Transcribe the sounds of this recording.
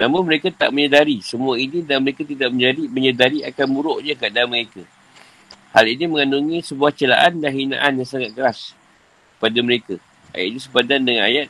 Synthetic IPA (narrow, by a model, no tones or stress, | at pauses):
namũnməɾekat̪a̰ʔməɲədaɾisəmuainidaməɾekat̪idaʔ̚məɲd͡ʒadiməɲədaɾiʔakanmuɾoʔɲakaʔdaməɾeka | haliniməŋanuŋisəbuaht͡ʃəla̰ʔandaɦina̰ʔanjaŋsaŋat̪̚kəɾas | kə̥padaməɾeka | a̰ja̰t̪iɲisəbadandəŋana̰jat̪̚